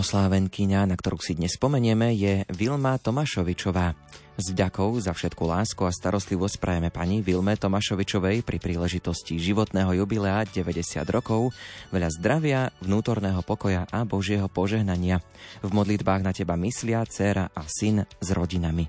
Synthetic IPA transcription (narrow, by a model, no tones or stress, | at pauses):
ɔslaːʋɛŋkiɲanakt̪ɔɾuːsid̪ɲɛsspɔmɛɲɪɛmɛjɛʋilmat̪ɔmaʃɔʋit͡ʃɔʋaː | zvɟakɔʊzafʃɛt̪kulaːskuast̪aɾɔst̪liʋɔscpɾa̰jɛmɛpaɲiʋilmɛt̪ɔmaʃɔʋit͡ʃɔʋɛjpɾipɾiːlɛʒit̪ɔsciʒiʋɔt̪nɛːɦɔjubilɛaɟɛʋɛɟɛsɪa̰d̪ɾɔkɔʊʋɛʎazd̪ɾaʋɪavnuːt̪ɔɾnɛːɦɔpɔkɔjaʔabɔʒɪɛɦɔpɔʒɛɦnaɲɪa | vmɔd̪lid̪baːɣnacɛbamislɪat͡sɛɾaʔasinzɾɔɟinami